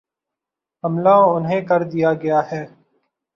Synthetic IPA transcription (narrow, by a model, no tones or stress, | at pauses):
ɦɐmlaːʊnɦẽːkɐɾd̪ijaːɡɐjaːɦɛː